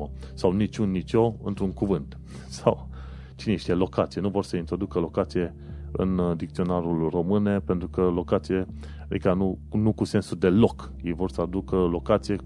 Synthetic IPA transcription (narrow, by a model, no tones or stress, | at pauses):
əsawnit͡ʃʲunːit͡ʃo̞ɨ̰nt̪ɾuŋkuvɨnt̪ | saw | t͡ʃineʃt̪ʲelo̞kat̪sijnuvo̞rsəint̪ɾo̞d̪ukəlo̞kat̪sije̞ | ɨ̰nd̪ik̚t̪sio̞naɾulro̞mɨnepe̞nt̪ɾukəlo̞kat̪sije | ad̪ikanunukuse̞nsud̪e̞lo̞k | jejvo̞rsəad̪ukəlo̞kat̪sije̞